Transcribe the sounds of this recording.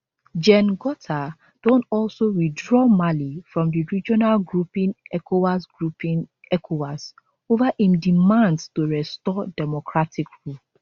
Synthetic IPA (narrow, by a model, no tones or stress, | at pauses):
d͡ʒɛ̃nɡɔtʰa | d̥ɔ̃ntɔlsoɹidɹɔmalifɹɔ̃mdiɹid͡ʒɔnalɡɹupĩnɛkoasɡɹupĩn | ɛkʰowas | ovahĩmdimãndstuɹɛstɔdɛmɔkɹatikɹup